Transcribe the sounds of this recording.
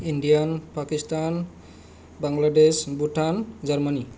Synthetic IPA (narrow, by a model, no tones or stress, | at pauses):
inɖijanpakist̪an | baŋɡladesbuʈand͡ʒərmani